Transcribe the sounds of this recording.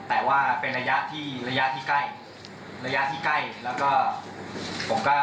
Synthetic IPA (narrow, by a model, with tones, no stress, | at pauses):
t̪ɛː˨˩waː˥˩pe˧nɾa˧ja˦˥ʔt̪ʰiː˥˩ɾa˧ja˦˥ʔt̪ʰiː˥˩ka˥˩j | ɾa˧ja˦˥t̪ʰiː˥˩ka˥˩jlɛː˦˥wkɔː˥˩ | pʰo˩˦mkɔː˥˩